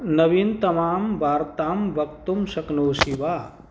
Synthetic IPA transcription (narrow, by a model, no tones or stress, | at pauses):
nɐʋint̪ɐmaːmʋaːɾt̪aːmʋɐk̚t̪umsɐknoːsiʋaː